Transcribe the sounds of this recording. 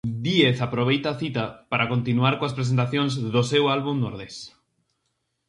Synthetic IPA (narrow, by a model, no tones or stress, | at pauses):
d̪ieθapɾoβ̞ejt̪aːθit̪apaɾakont̪inuaɾkoaspɾes̬ent̪aθjõŋzðosewalβuŋnoɾðes